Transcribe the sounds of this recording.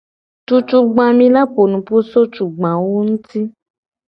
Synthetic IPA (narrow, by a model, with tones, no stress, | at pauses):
tu˧t͡ʃu˧ɡ͡bã˧mĩ˧la˦k͡po˨nũ˨pu˦so˦t͡ʃu˨ɡ͡bã˨wo˦n̩˦ti˦